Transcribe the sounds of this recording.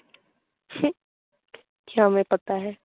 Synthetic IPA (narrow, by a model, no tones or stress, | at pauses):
kjãɦɐmẽpɐt̪aɦɛː